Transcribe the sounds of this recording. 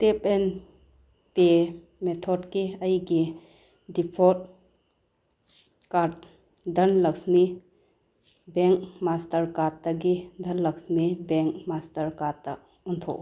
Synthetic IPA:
tep̚en | pe | met̪ʰɔdkiɐjɡi | dipʰɔt̚ | kaɾd | dɐnlɐksmi | beŋk̚mastɐɾkatɐɡid̪ʱɐnlɐksmibeŋk̚mastɐɾkatak̚ | untʰɔ̰k

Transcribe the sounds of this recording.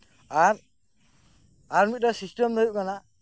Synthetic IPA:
aɾ | aɾmit̪̚ɾɔsisʈəmd̪əjuʔ̚kana

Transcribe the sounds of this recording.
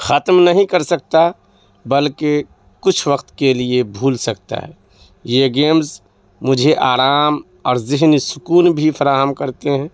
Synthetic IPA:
xət̪mnɐɦĩkɐɾsɐk̚t̪a | bɐlke | kʊt͡ʃʰwəqt̪keliebʱuːlsɐkt̪a̰ɦɛ̰ː | jeɡeːmz | mʊd͡ʒʱeʔaːɾaːm | ɔːɾzɪɦnisʊkuːnbʱifʰɐɾaːɦəmkɐɾt̪eɦɛ̃ː

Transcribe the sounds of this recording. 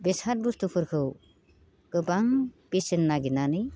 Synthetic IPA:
besaɾ̚bust̪upʰɯɾkʰɯw | kɯbaŋpisinːaɡinanɯ

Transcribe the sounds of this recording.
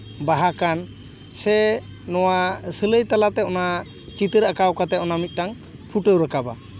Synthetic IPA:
baɦakan | sɛ | nɔwasələjt̪alat̪ɛɔna | t͡ʃit̪əɾəkawkat̪ɛɔnamit̪̚ˀʈaŋ | pʰuʈəwɾəkaba

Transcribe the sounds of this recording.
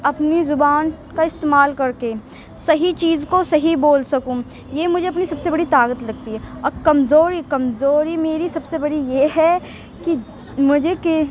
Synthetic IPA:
ɐpnizʊbaːn | kaɪst̪eːmaːlkɐɾke | sɐɦit͡ʃiːzkosɐɦiboːlsɐkũː | jemʊd͡ʒʱeɐpnisɐbsebɐɽit̪aːkət̪lɐɡ̚t̪iɦɛɔːɾkɐmzoːɾikɐmzoːɾimeːɾisɐbsebɐɽijeːɦɛ | ki | mʊd͡ʒʱeke

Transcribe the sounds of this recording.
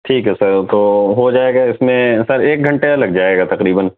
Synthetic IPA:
ʈʰiːkɦɛsɐɾt̪oːɦod͡ʒaːeːɡaɪsmẽsɐɾeːk̚ɡʱɐ̃ɳʈeɐlɐɡd͡ʒaːeːɡat̪ɐqɾiːbən

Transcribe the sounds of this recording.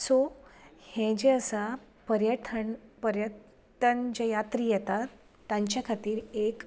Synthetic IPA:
sohẽd͡ʑeəsa | pəɾjəʈʰənpəɾjətː | ənd͡ʑejat̪ɾiːjɛt̪aː | jãɲt͡ɕjakʰat̪iːɾek

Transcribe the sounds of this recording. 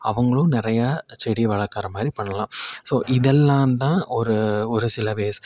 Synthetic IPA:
ɐ̰ʋɐŋɡɐɭʊ̃nɪɾɐjaːt͡ʃɛɽiʋɐɭɐkːaːɾɐmaːd̪ɾipɐɳːɐlãːsoːʔɪðɛlːãːnt̪ãːʔɔɾɯɔɾɯsɪlɐʋeːs

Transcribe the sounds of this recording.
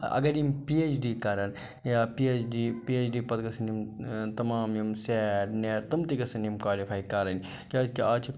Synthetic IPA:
ɐ̰ɡɐɾimpiet͡ʃʰɖikaːɾɐn | japiet͡ʃɖipiet͡ʃɖipɐd̪ɡɐsɐnimt̪ɐmaːmjimseːɾneːɾt̪ɐmt̪iɡɐsɐnimkwaːlipʰaːjkaːɾɐn | kaːzkeat͡ʃʰi

